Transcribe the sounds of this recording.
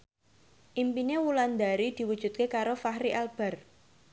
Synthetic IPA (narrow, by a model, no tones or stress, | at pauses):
ʔimpinewuland̪aɾid̪̥i̤wud̥ʒ̥ṳt̪̚kekaɾofahɾiʔalb̥a̤r